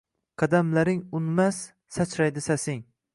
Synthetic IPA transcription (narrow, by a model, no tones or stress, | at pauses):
qʰɑd̪amlaɾɪŋʊnmasː | at͡ʃʰɾajd̪ɪsasɪŋ